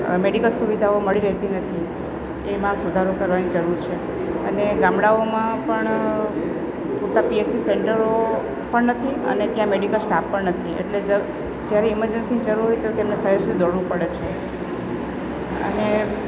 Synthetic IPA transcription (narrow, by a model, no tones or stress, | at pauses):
meɽikəlsuʋid̪ʱaoməɭiɾəɦt̪inət̪ʰi | emãsud̪ʱaɾokəɾʋanid͡ʒəɾuɾt͡ʃʰe | əneɡãmɽaomãpəɳ | puɾt̪apiesʈiseɳʈəɾo | pəɳnət̪ʰiə̰net̪jãmeɽikəlsʈapːəɳnət̪ʰiʔḛʈled͡ʒə | d͡ʒjaɾeɪməɾd͡ʒənsinid͡ʒəɾuɾɦoet̪ok̪emnesəɦesuid̪ɔɽʋũpəɽet͡ʃʰe | ə̰ne